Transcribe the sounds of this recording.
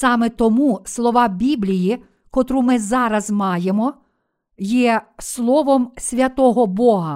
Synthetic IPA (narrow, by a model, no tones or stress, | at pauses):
sɑmet̪ɔmuslˠɔʋɑbʲiblʲiji | kɔt̪ɾumɪzɑɾɐzmɑjemɔ | jɛslˠɔʋɔmsʲʋʲɐt̪ɔɦɔbɔɦɐ